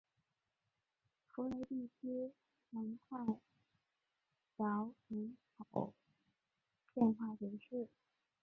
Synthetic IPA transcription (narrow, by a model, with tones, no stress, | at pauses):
fu˧˥le˧˥ɪt̪i˥˩t͡ɕʰi˥ | nə˧˥nkʰwa˥˩ɪ | jɑ˧˥ʊi˧˥ŋkɑ˨˩ʊ | pjɛ˥˧nxwa˥˩t͡ɕi˧˥ʂ̩˥˩